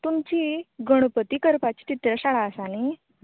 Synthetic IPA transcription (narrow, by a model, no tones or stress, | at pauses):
t̪umt͡ɕiːɡəɽ̃pət̪iːkəɾpat͡ɕi̥ːt̪it̪ɾəɕaɭaəsani